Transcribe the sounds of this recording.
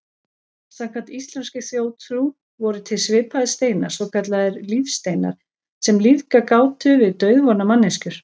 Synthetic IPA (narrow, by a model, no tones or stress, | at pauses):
sakvant̪ist̪lɛnscɪθjoːwt̪ʰɾu | vɔɾʏt̪ʰɪlsvɪːpaðɪst̪eːjnḁsvɔwkʰat̪laðɪɾlifst̪eːjna̰ɾ̥ | sɛmliðkakaːwt̪ʰʏvɪðt̪œːɥðvɔɾnamanːɛscʏɾ̥